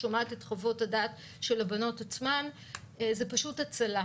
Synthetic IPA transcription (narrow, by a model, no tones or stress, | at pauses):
omatetχovo̞tadaːt | ʃe̞labano̞tat͡sman | ezepaʃutat͡sala